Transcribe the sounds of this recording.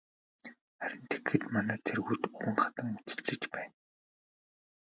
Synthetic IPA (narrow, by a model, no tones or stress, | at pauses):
χæɾʲɪ̆nt̪ʰe̥t̪̆xɘ̆t̪manæːt͡sʰerɣujt̪uɘ̆ŋχat̪ə̆ŋmut̪ɘ̥̆ɮt͡sɘ̆t͡ɕpæːn